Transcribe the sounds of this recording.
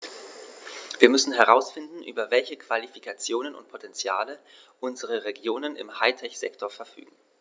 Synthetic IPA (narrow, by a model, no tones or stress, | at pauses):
viːɐmʏsn̩ɦɛʁaʊsfɪndn̩ʔy̰ːbɐvɛlçəkv̥alifikʰat͡sjoːnənʊ̰nt̚pʰotʰɛnt͡sjaːlə | ʔʊnzəʁ̞əʁeɡjoːnənɪ̰mhaɪtʰɛçz̥ɛ̰ktʰoɐfɛɐfy̰ːɡŋ̩